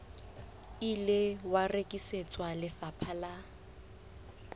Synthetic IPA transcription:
ilɪwarekʼiset͡sʼwalɪfapʰala

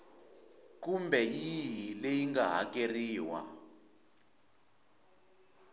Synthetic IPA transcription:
kumbɛjiɦilejiŋɡaɦa̰keriːwa̰

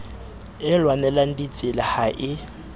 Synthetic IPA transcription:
ɪlwanɛlan̩dit͡sʼɪlahaʔɪ

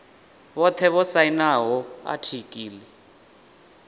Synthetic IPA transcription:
βɔt̪ʰɛβɔsainaɦɔa̰tʰikʼiːlɛ

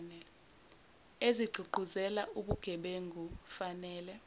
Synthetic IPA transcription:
nɛlɛ | eziɡ͡ǃʱuɡ͡ǃʱuzɛlaʔuɓuɡ̥ʱɛɓeŋɡʱufanɛːlɛ

